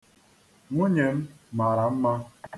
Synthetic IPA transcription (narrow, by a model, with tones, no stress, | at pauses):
ŋʷu˦ɲe˨m̩˦ma˨ɾa˨m̩˦ma˦